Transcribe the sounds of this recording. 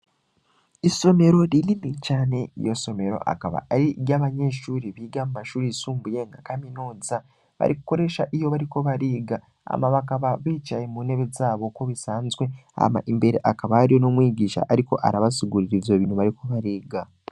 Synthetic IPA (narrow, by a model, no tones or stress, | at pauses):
iso̞me̞ɾo̞ɾilinicaːne̞ḭjo̞so̞me̞ɾo̞̰ʔa̰kaβa̰aɾijaːβaɲe̞ːʃuːɾiβiːɡamumaʃuːɾisuːmbujeŋɡakaminoːza | βa̰ɾikuko̞ɾe̞ʃaʔijo̞βaɾiko̞βaɾiːɡa | a̰maβakaβaβiːt͡ʃajemuneβezaːβo̞ko̞βisaːnzwe̞a̰ma̰ʔimbe̞ɾḛʔakaβaaɾiono̞mwiːɟiːʃa̰ʔaɾiko̞ʔa̰ɾaβasiɡuɾiɾivjo̞βinuβaɾiko̞βaɾiːɡa